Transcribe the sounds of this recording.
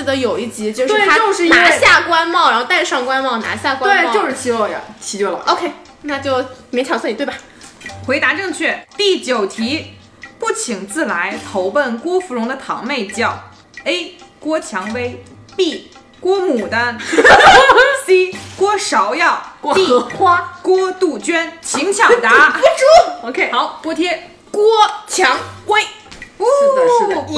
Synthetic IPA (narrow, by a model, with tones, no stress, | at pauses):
d̪ə˧˥jo˨˩ʊi˥˩t͡ɕi˧˥t͡ɕjo˥˧ʊt̪w̩˥e˥˧˩a˥o˥˧ʊʂɻ̩˥˩na˧˥ɕja˥˩kwa˥nmɑ˥˩ʊɻnxo˥˧t̪a˥˧ɪʂɑ˥˧ŋkwa˥nmɑ˥˩ʊna̰˧˥ɕja˥˩kwa˥we˥˩˥jo˥˧ʊʂɻ̩˥˩t͡ɕʰi˧˥o˥˩jɐ̰˩t͡ɕʰi˧˥t͡ɕɥɛ˥˩lə̰˨˩o˧ʊkʰe˥ɪ | na˥˧t͡ɕjo˥˩ʊme˧˥t͡ɕʰɑ˨˩sa˥˩ni˨˩t̪wa˨˩ | xwe˧˥ɪt̪a˧˥ʈ͡ʂɤ˥˧ŋt͡ɕʰɥɛ˥˩t̪i˥˩t͡ɕjo˨˩ʊt̪ʰi˧˥ | pu˥˩t͡ɕʰi˨˩ŋt͡sɹ̩˥˩la˧˥ɪt̪ʰo˧˥ʊpə˥˩nkwɔ˥fu˧˥lʊ˧˥ŋd̪ə˧t̪ʰɑ˧˥ŋme˥˧ɪt͡ɕjɑ˥˩ʊ | e˥ɪkwɔ˥t͡ɕʰjɑ˧˥ŋwe˥ɪ | pi˥˩ | kwɔ˥mu˨˩d̪ə˦˥ | si˥kwɔ˥ʂɑ˧˥ʊjɑ˥˩ʊ˥i˥˧˥kwɔ˥t̪u˥˩t͡ɕɥɛ˥nt͡ɕʰi˧˥ŋt͡ɕʰjɑ˨˩ŋt̪a˧˥u˥˧˥ʊkwɔ˥t̪ʰjɛ˥ | kwɔ˥t͡ɕʰjɑ˧˥ŋwe˥ɪ˥˧˥